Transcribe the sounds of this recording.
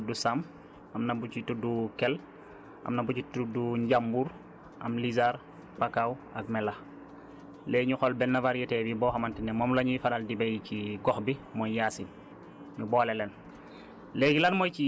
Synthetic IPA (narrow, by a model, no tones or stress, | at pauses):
dusam | amnabut͡ʃitudukel | ʔa̰mnabuɟituduɲɟambuɾ | ʔa̰mlizaɾ | pakawaɡ̚mɛlax | leɲuxolbɛnːavaɾjitebibɔxamantinemomlaɲifanaldibejciɡɔxbimojjaːsin | ɲubolelen | leɡilanmojt͡ʃi